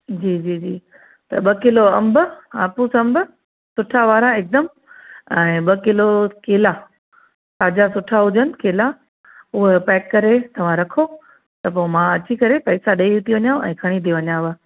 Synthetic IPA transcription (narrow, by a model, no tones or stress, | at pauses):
d͡ʑiːd͡ʑiːd͡ʑiː | t̪ɐɓɐkɪloɐ̃mbaːpusɐ̃mb | sʊʈʰaʋaːɾãɪk̚d̪əm | ɛ̃ːɓɐkɪlokeːla | saːd͡ʑasʊʈʰaɦʊd͡ʑənɪ̆keːla | ʊɦpɛːkːɐɾet̪ɐʋ̤ãɾɐkʰo | t̪ɐp̬oːmãɐt͡ɕikɐɾepɐɪsaɗeːiut̪ʰiʋɐɲãːɛ̰̃ːkʰɐɽ̃it̪ʰiʋɐɲãʋa